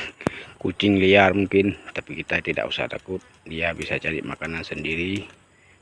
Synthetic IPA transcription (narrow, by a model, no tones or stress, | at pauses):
kut͡ʃɪŋliarmuŋkɪnt̪apikit̪at̪ida̰ʔṵsa̰ht̪a̰kʊt̪̚diabisat͡ʃadḭmakanansəndiɾi